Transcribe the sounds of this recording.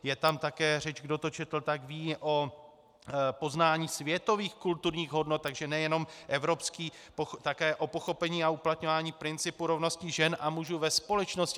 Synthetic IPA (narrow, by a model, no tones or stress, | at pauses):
jɛt̪amt̪akɛːrɛt͡ʃɡdo̞t̪o̞t͡ʃɛt̪l̩t̪aɡviːʔo̞ | po̞znaːɲiːsvjɛt̪o̞viːxkult̪uɾɲiːɣɦo̞dno̞t̪̚t̪ːaɡʒɛnɛjɛno̞mʔɛvɾo̞pskiː | poxt̪akɛːʔo̞po̞xo̞pɛɲiːauplat̪ɲo̞vaːɲiːpɾɪnt͡sɪpuɾo̞vno̞scɪʒɛnʔamuʒuvɛspo̞lɛt͡ʃno̞scɪ